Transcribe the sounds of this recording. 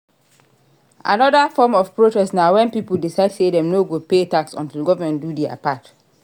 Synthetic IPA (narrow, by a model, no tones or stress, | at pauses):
ʔa̰nɔdəfɔmɔfpɹotɛsnawɛ̃npipəl̩disaɪdsedɛ̃mnoɡopetaksɔ̰̃ntilɡɔvamɛ̃ndudɛa̰pat